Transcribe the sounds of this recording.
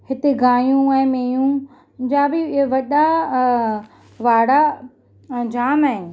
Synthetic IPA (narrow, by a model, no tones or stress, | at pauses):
hɪt̪eɡaːjũɛ̃ːmeːjũ | d͡ʑãːbɪʋɐɗa | ʋaːɽa | d͡ʑaːmaɦɪ